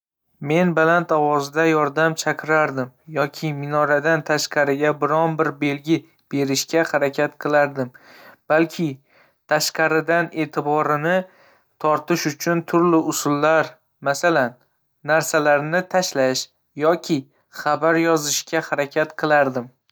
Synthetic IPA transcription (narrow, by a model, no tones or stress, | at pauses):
me̞nbalant̪ɒwɒzɪd̪ajɒɾd̪amt͡ʃʰakʰʲɪɾaɾd̪ɪmjɒkʲʰɪmɪnɒɾad̪ant̪ʰaʃqɑɾɪɡʲabɪɾɒnbɪɾbe̞lɡʲɪ | b̥e̞ɾɪʃkʲahaɾakʲʰat̪qʰɨlˠaɾd̪ɪmb̥alkʲʰɪ | t̪ʰaʃqɑɾɪd̪ane̞t̪ʰɪbɒɾɪnɪ | t̪ʰɒɾt̪ɪʃʊt͡ʃʰʊnt̪ʰʊɾlɪʊsʊlːaɾ | masalanː | aɾsalaɾnɪt̪ʰaʃlaʃ | jɒkʲʰɪ | χabaɾjɒzɪʃkʲahaɾakʲʰat̪qʰɨlˠaɾd̪ɪm